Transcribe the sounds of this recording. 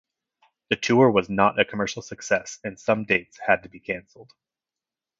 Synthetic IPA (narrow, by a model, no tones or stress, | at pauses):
ðɨtʰʉə˞wʌznəɾʔɨkʰəmɜ˞ʃl̩ˠsɨksɛsɨ̃nsʌ̃mdeɪtshɨd̚tɨbikʰæ̃nsl̩ˠd̥